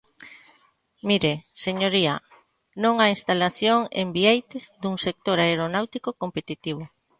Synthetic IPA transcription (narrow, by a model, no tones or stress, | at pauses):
miɾeseɲoɾia | nõŋainst̪alaθjoŋḛmbiejt̪ɪzd̪uŋsek̚t̪oɾaeɾonawt̪ikokompet̪it̪iβ̞o